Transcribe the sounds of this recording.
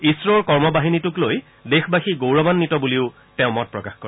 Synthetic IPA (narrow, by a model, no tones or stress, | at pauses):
isɹɔɹkɔɹmɔbaɦinitʊkloj | dexbaxiɡowɹɔbanːitɔbuliʊ | tɛ̃ʊmɔt̚pɹɔkaxkɔɹ